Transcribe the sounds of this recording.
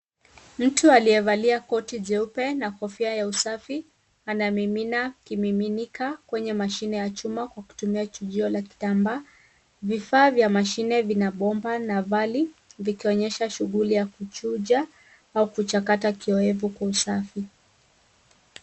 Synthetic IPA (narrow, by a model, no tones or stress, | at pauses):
m̩tualijɛvaliakɔtiʄɛupɛnahɔfiajausafi | anamiminakimiminikakwɛɲɛmaʃinɛjat͡ʃumakwaku̥tumiat͡ʃuʄiɔlaki̥tambaː | vifaːvjamaʃinɛvinaɓɔmbanavalivikiɔɲɛʃaʃuɠulijakut͡ʃuʄa | aukut͡ʃakatakiɔɛvukwausafi